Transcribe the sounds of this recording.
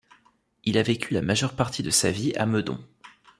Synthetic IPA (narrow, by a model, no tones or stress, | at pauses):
ilavekʲylamaʒœʁpaʁt̪ʰid̪əsavia̰məd̪ɔ̰̃